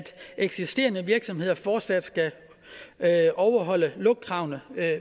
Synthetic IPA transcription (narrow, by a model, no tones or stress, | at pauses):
d̥ʔeɡ̥sisd̥e̝̰ːɐnəʋiɐɡ̥sɒ̽mhe̝ð̰ˠɐfɒːd̥sæd̥sɡ̥æ | ʔɒʊɐɦɒ̽l̰əlɔ̽ɡ̥̚ɡʰʁɑ̈ʊnə